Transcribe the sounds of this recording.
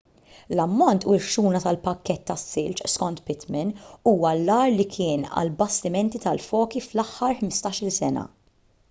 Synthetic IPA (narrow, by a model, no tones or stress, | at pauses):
lɐmːɔnt̪uɾʃuːnɐt̪ɐlpɐkːɛt̪ːɐsːɪlt͡ʃskɔnt̪pɪt̪mɪnuːwɐlːɐːɾlikʰɪːnɐ̰lbɐst̪ɪmɛnt̪it̪ɐlfɔːkiflɐħːɐɾħmɪst̪ɐːʃɪlsɛnɐ̰